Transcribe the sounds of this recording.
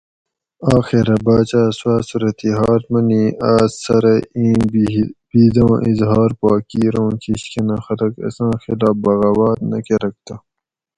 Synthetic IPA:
aːxiɾɐbaːt͡ɕaːswaːsuɾɐt̪iɦɑːlmɐniːaːzsɐɾɐĩː | b̥iːd̪ãːʔizɦɑːɾpaːkiːɾõːkʰiɕkenɐxɐlɐkɐ̰sãːxilaːbɐɣaːwaːɾnɐkeɾɐk̚t̪ɐ

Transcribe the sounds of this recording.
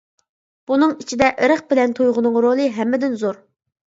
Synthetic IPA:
b̥unɨŋit͡ʃʰid̪ɛʔəɾəq̚bɪlɛnt̪ʰojʁʊnɨŋɾolˠɨɦɛmːɪd̪ɪnzoɾ

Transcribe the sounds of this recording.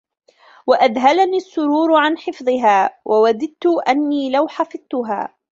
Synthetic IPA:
waʔad̪ɦalaniːasːʊɾuːɾʕanħɪfðˤɨɦaːwʔawad̪ɪd̪̚t̪ʊʔanːiːlawħɑfɨðˤt̪ʊɦa̰ː

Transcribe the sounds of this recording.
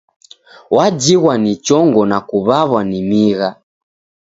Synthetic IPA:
wad͡ʒiɣwanit͡ʃɔŋɡɔnakuβaβwanimiɣa

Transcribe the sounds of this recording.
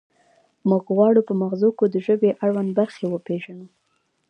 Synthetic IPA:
muɡɣwɑɽupəmaɣzokod̪əʒəbeʔaɽwanbaɾxewəpeʒanu

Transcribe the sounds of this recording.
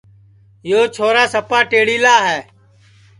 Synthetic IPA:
joːt͡ʃʰoːɾaːsəpaːʈeːɽiːlaːɦɛː

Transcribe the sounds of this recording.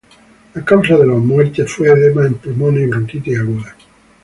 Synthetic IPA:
akawsaðelamweɾt̪efweðemaempulmoneβent̪it̪eaɣuða

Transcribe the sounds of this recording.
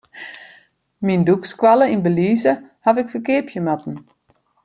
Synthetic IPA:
mindukskʋaləinbəliːzəhavɪkfərkɪpʰjəmatn̩

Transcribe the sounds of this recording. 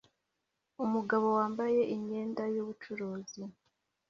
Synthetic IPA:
umuɡaβo̞waːmbaje̞ʔiɲɲe̞ːndajuβut͡ʃuɾuːzi

